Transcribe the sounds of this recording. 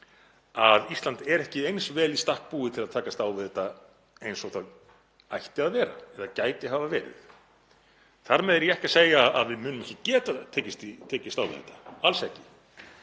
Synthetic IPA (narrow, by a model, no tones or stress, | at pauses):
aðist̪lant̪ɛɾɛhcɪejnsvɛːlist̪ahk̚puːɪt̪ʰɪlaðt̪ʰaːkast̪aːwvɪðɛt̪a | ejnsɔθað | ajht̪ɪaðvɛːɾa̰ɛðacaːjt̪ɪɦaːvavɛːɾɪ̰θ | θaɾmɛðɛɾjɛɛhcḁseːjaaðvɪðmʏːnʏmɛhcɪcɛːt̪at̪ʰɛːcɪst̪it̪ʰɛːcɪst̪aːwvɪ̰ðɛ̰t̪ḁalsɛhcɪ̥